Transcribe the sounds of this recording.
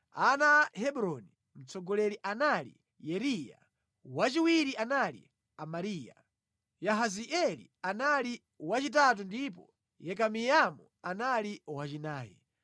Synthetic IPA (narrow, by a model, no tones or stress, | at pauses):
anahɛɓɾɔni | m̩t͡sɔɡɔlɛɾiʔanalḭ | jɛɾija̰ | wat͡ʃiwiɾiʔanalḭ | amaɾiːja̰ | jaɦaziʔɛlḭanali | wat͡ʃitat̬undip̬ɔ̰ | jɛkamijamu | analiwat͡ʃinaːjɛ̰